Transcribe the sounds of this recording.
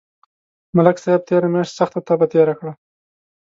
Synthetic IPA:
malaksaeb̚t̪ʰeɾamjaʂt̪saxt̪at̪ɑbat̪eɾakɽa

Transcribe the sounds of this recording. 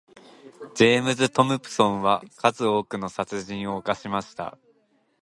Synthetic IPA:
d͡ʑeːmɯzɨt̪o̞mɯ̟pɯ̥sõ̞ɰ̃βakʰazɨo̞ːkɯ̟no̞sat͡sɨʑĩɰ̃o̞ːkaɕimaɕi̥t̪a̰

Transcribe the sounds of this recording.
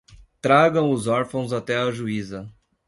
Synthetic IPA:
t̪ɾaɡɐ̃w̃ʊzɔɾfɐ̃w̃zat̪ɛɐʒuizɐ

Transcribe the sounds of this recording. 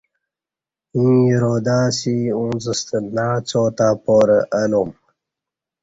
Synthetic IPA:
ĩːiɾoːd̪aːsiũːnzəst̪ənaːt͡soːt̪aːpoːɾəʔɐlom

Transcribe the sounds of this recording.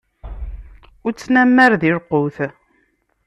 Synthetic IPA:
ʊɾt͡sːnæmːæɾðiɾqːoθ

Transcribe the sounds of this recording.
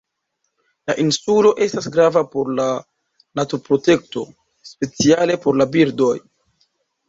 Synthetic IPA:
laʔinsulo̞ʔe̞stas̬ɡɾavapo̞ɾla | natuɾpɾo̞te̞kto | spe̞t͡siale̞po̞ɾlabiɾdo̞j

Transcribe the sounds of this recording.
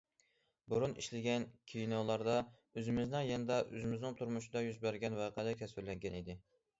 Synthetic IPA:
buɾuniʃlɪɡʲɛnkʲʰijnolˠɑɾd̪ɑ | øzɪmɪznɪŋjɛnɨd̪ɑʔø̰zɪmɪznɪŋt̪ʰuɾmuʃɪd̪ɑjyzbæɾɡʲɛnwɑːqʰælɪkʲʰɛswɪɾlɛŋɡʲɛnid̪ɪ

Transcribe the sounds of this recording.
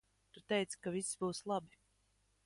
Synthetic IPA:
t̪ut̪ɛjt̪skaviszbuːslˠabi

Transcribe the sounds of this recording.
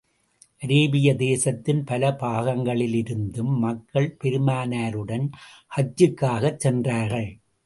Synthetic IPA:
ʔɾeːbɪjɐd̪eːsɐt̪ːɪnpɐlɐpaːɣɐŋɡɐɭɪlɪɾɯnd̪ɯmːɐkːɐɭpɛɾɯmaːnaːɾɯɽɐnhɐt͡ʃːɯkːaːɣɐt͡ʃːsɛndraːɾɣɐɭ

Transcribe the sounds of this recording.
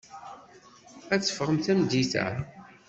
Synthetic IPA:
æt͡sːə̥fʁəmθæmd̪iθæ̰

